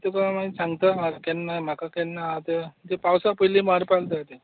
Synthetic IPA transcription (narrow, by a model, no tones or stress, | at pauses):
t̪ekəãmaisãŋɡt̪əmaɾkɛnːajm̤akakɛnːat̪et̪epawsapəjlimaɾpald̪at̪e